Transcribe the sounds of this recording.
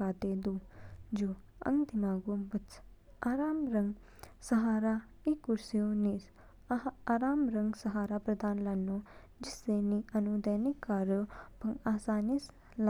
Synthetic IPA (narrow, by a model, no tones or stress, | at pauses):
aːt̪eːd̪uːd͡ʒoː | ə̰ŋɡd̪ɪmaːɡuːbɪt͡ʃ | aːɾaːmɾəŋɡ | səɦaːɾaː | ikːʊɾsioːniːɾ | aːɾaːmɾəŋɡsəɦaːɾaːpɾəd̪aːnlaːnːoː | d͡ʒɪseːnĩːənud̪ɛːnɪkːaːɾopəŋaːsaːnis | l